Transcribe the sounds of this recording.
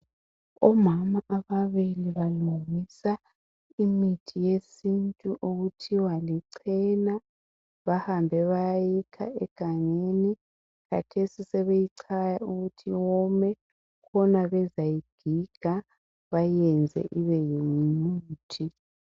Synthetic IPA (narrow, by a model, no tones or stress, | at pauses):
ɔmamaʔaβaβiliβaluŋisa | imitʰijesintʼuʔuɣutʰiwaliǀʰɛna | βahambʱɛβajajikʰa̰ʔɛɡ̥ʱaŋeni | ka̰tʰesisɛβejiǀʰajauɣutʰiwɔmɛ | kʰɔnaβɛzajiɡ̥ʱiɡ̥ʱa | βajɛnd͡zʱɛ̰ʔiβɛjiŋimuuːtʰi